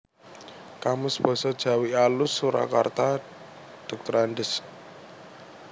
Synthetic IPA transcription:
kamʊsb̥ɔ̤sɔd̥ʒ̥a̤wialʊsːuɾa̰ka̰rt̪a | d̪̥ɔk̚t̪ɔɾanɖɪs

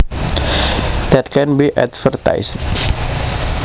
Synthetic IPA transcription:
d̪̥ɛt̪̚kɛnbiʔɛ̰tfərt̪a̰jst̚

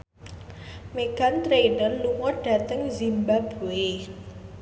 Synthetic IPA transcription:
meɡ̥a̤nt̪ɾenərluŋɔɖ̥ä̤t̪əŋzimbab̥uwe

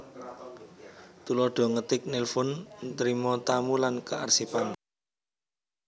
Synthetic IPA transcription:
t̪ulɔɖ̥ɔ̤ŋət̪ɪk̚nilfʊnt̪ɾimɔt̪amulankəarsipan

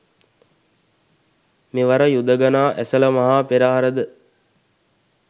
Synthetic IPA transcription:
meʋaɾəjud̪əɡanaːʔæsələmaɦaːpeɾaːɦaɾəd̪ə

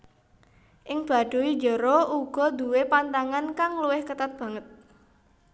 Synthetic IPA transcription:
ʔɪŋb̥a̤ɖ̥o̤wi̥d͡ʒɔɾouɡ̥ɔ̤d̪ṳwepant̪aŋankaŋluwɪhkət̪at̪̚b̥a̤ŋət̪̚

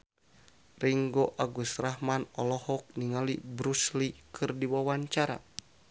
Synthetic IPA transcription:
riŋɡoʔaɡusrahmanɔlɔhɔk̚niŋalibɾuslikʰɨrdiwawaɲt͡ʃaɾa̰

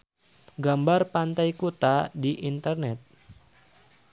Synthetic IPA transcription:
ɡambarpant̪ajkot̪adiʔint̪ərnɛt̪̚

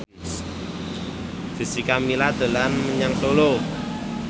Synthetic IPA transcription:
d̥i̤sikamilad̪̥ə̤lanməɲaŋsolo

